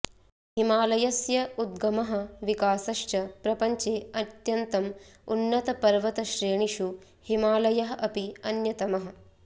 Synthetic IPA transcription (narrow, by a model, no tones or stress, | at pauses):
himaːlɐjɐsjɐud̪̚ɡɐmɐɦɐ̆ʋikaːsɐʃt͡ʃɐpɾɐpɐɲt͡ʃeːɐt̪jɐnt̪ɐmṵnːɐt̪ɐpɐɾʋɐt̪ɐʃɾeːɳiʃu | himaːlɐjɐɦɐ̆ʔɐpiɐnjɐt̪ɐmɐɦɐ̆